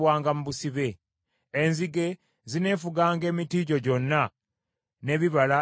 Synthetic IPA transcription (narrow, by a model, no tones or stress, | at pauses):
waːŋɡamuβusiβe̞ː | nziɡe̞ | zine̞ːfuɡaːŋɡe̞ːmitiːɟo̞ɟo̞nːa | ne̞βiβala